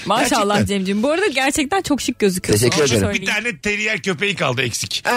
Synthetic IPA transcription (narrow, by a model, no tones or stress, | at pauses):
maːʃalˠːahd͡ʒemd͡ʒibuoɾad̪aɟæɾt͡ʃʰɛc̚t̪ænt͡ʃʰo̞kʃɯk̚ɟøzyk̪ʰeʃɛcːyɾeeɾøbit̪aːnɛt̪ʰeɾijæɾcʰø̞pejika̰lˠd̪ɯɛcsic